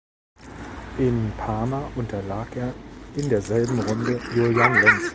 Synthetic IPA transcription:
ʔɪnpʰaːmaʔʊntʰɐlaːkʰeːɐɪndeːɐzɛlbm̩ʁʊndəjojaŋlɛns

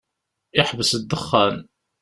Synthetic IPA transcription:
ɪħvəsəd̪ːəχːæn

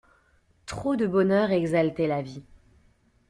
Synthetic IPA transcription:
t̪χod̪əbɔnœʁɛɡzalt̪ɛlavi

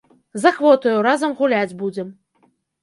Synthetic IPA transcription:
zɐxvɔt̪ɨjuɾazɐmɣulʲæd͡zʲbud͡zʲɛm

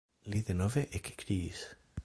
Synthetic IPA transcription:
liðenoveʔekʰe̥kɾis

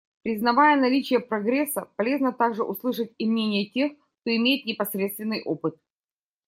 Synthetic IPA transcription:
pɾʲɪznɐvajənɐlʲit͡ɕɪjəpɾɐɡɾʲesːəpɐlʲe̞znət̪aɡʐɨʔʊslˠɨʂət̚ʲɪmnʲenʲɪjətʲe̞xk̚t̪o̞ɪmʲejɪt̪nʲɪpɐsɾʲet̪st̪vʲɪnːɨjʔo̞pɨt̪̚

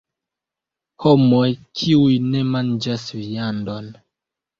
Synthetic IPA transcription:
homojkʰiujne̞mand͡ʒasvijandon

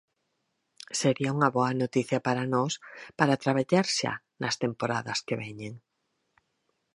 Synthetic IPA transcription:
seɾiauŋɐβɔɐnot̪iθjɐpaɾanɔspaɾat̪ɾaβaʎaɾʃa̰ | nɐst̪empoɾa̰ðɐskeβɛɲeŋ

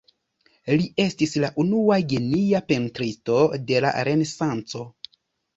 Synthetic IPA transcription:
liʔe̞stislaʔunuaɡeniape̞ntɾisto̞de̞la̰ɾe̞ne̞sant͡so̞

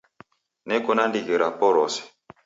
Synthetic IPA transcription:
nɛkɔnandikeɾapɔɾɔsɛ̥

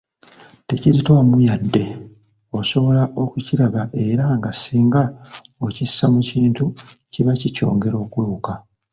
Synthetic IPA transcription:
te̞ciɾitwamujadːe̞ | o̞so̞βo̞laʔo̞kuciɾaβaʔe̞ɾaŋɡasiːŋɡaocisːamuciːntu | ciβacico̞̰ːŋɡe̞ɾo̞ːkweuka

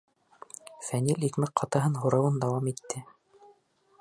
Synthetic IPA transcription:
fænilikmɘq̚qʰɑt̪ɑɦɤnɦuɾɑwɤnd̪ɑwɑmit̪ːɘ

